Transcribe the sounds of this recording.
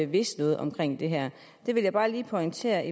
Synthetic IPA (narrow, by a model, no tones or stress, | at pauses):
eʋe̝sd̥nɔ̽ːð̞̩ˠɒ̽mkʰʁeŋ̰d̥e̝ɦæɐ̰ | d̥e̝ʋe̝ljɑ̈ɪb̥ɑ̈ːliːpʰɒ̽ɪŋt͡sʰe̝̰ːɐʔi